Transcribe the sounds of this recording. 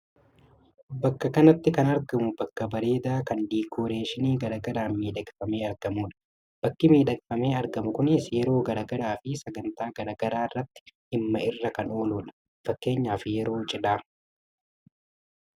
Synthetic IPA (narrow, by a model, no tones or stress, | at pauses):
bɐkːɐkɐnɐt̪ːɪkɐnɐɾɡɐmʊbɐkːɐbɐɾe̞ːd̪aːkɐnd̪iːkʰoːɾe̞ːʃɪniːɡɐɾaːɡɐɾaːmiːᶑɐkʼfɐmeːɐɾɡ̥ɐmuːᶑɐ̥ | b̥ɐkːɪmiːᶑɐkfɐmeːɐɾɡɐmʊkʊnɪsjɛɾo̞ːɡɐɾaːɡɐɾaːfɪsɐɡɐnt̪aːɡɐɾaːɡɐɾaːɪrːɐt̪ːɪ̥ʔɪmːɐɪrːɐkɐno̞ːluːᶑɐ̥ | fɐkːe̞ːɲːaːfɪjɛɾo̞ːt͡ʃʼɪᶑaː